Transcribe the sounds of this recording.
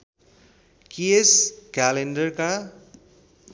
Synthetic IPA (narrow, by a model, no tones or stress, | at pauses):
kieskalenɖʌrka